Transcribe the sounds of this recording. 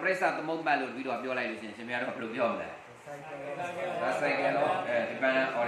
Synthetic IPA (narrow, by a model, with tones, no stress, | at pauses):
pəɾe˦ʔsa̰˨t̪ə˦mõ˦mã˦˨lo̰˦˨tə˨bḭ˦ɾo˨a˨pjɔ˦la˦ɪʔlo̰˦˨ɪ̃˨ɪ̃˨ʃɪ̃˦˨mʰja˦do˦˨a˦˨bɛ˨lo˨p̬jɔ˦məlɛ˦ | a˨sa˦ɪ̃kɛ˦˨d̪ɔ˦˨di˨pã˦ã˨ʔɔ˨